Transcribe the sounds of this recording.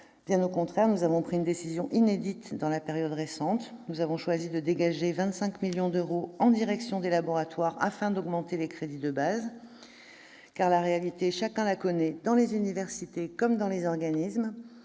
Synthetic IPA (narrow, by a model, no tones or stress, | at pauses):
b̥jɛ̃nokɔ̃t̪χɛʁnuzavɔ̃pχiynd̪esizjɔ̃ʔined̪it̪d̪ɑ̃lapeʁjɔd̪ʁesɑ̃t̪nuzavɔ̃ʃwazid̪əd̪eɡaʒevɛ̃t̪sɛ̃kmiljɔ̃d̪øʁoɑ̃d̪iʁɛksjɔ̃d̪elabɔʁat̪waʁa̰fɛ̃d̪ɔɡmɑ̃t̪elekχed̪id̪əbaz | kaʁlaʁealit̪eʃakɛ̃lakɔnɛd̪ɑ̃lezynivɛʁsit̪ekɔmd̪ɑ̃lezɔʁɡanism